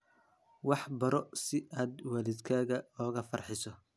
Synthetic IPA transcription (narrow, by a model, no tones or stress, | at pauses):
wɑħbɐɾɔsɪaːd̪wɐlɪd̪kʰaːɣɐɔːɣɐfɐrħɪsɔ